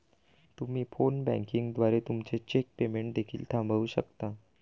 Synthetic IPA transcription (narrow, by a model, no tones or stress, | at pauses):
t̪um̤iːfonbɛ̰̃ŋkiŋɡd̪ʋaɾet̪umt͡set͡ɕek̚pemeɳʈ̚d̪ekʰiːlt̪ʰãmbʱauːɕəkt̪a